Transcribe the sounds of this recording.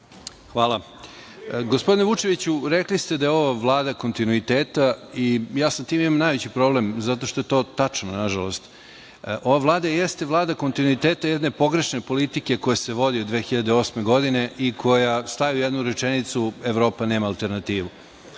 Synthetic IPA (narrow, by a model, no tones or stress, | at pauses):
xʋaːlˠa | ɡospo̞d̪ineʋut͡ʃe̞ʋit͡ɕuɾeklist̪e̞d̪ajeo̞ʋaʋlˠaːd̪ako̞nt̪inuit̪eːt̪aijaːsamt̪iːmimamnajʋet͡ɕipɾoblemzat̪̬o̞ʃt̪o̞jet̪o̞ːt̪at͡ʂnonaʒalo̞st̪ | ʔo̞ʋavlˠaːd̪ajest̪eʋlˠaːd̪akont̪inuit̪eːt̪ajed̪ne̞po̞ɡɾe̞ʃne̞po̞lit̪ike̞ko̞jese̞ʋo̞d̪iod̪ʋe̞ːxiʎad̪eo̞ːsme̞ɡo̞d̪ine̞ʔikʰo̞jast̪ajujed̪nuɾet͡ʂenit̪sueʋɾo̞ːpaneːmaːlt̪e̞ɾnat̪iːʋu